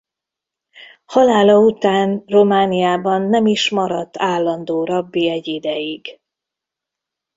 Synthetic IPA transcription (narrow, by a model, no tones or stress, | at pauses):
hɒlaːlɒut̪aːnro̞maːnijaːbɒnːɛmiʃmɒɾɒt̪ːaːlːɒnd̪oːɾɒbːiɛɟːid̪ɛjiɡ̥